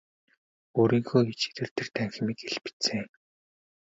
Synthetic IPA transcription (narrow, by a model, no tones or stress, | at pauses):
oːɾiːŋxoːɡet͡ɕi̥t̪ʰɘ̆rt̪ʰĕrt̪ʰæŋx̆miːkeɮpɘ̥t͡seː